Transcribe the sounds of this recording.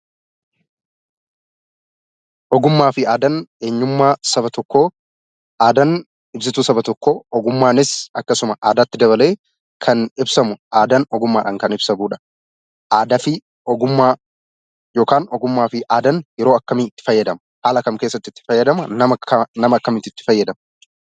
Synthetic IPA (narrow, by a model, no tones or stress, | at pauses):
ʔɔɡʊmːaːfɪaːd̪ɐnʔe̞ːɲːʊmːaːsɐbɐt̪ɔkːoː | ʔaːd̪ɐn | ɪbs̬ɪt̪uːsɐbɐt̪ɔkːo̞ːɔɡʊmːaːnɪsɐkːɐsʊmɐʔaːd̪aːt̪ːɪd̪ɐβɐleː | kʰɐnɪbsɐmʊʔaːd̪ɐnɔɡʊmːaːᶑɐŋkɐnɪbsɐbuːᶑɐ̥ | ʔaːd̪ɐfɪ | ɔɡʊmːaː | jo̞ːkaːnɔɡʊmːaːfɪʔaːd̪ɐnjɛɾoːɐkːɐmiːɪt̪ːɪ̥fɐjːɐd̪ɐmɐhaːlɐkɐmke̞ːsːɐt̪ːɪt̪ːɪ̥fɐjːɐd̪ɐmɐnɐmɐnɐmɐːkːɐmɪt̪ːɪt̪ːɪ̥fɐjːɐd̪ɐmɐ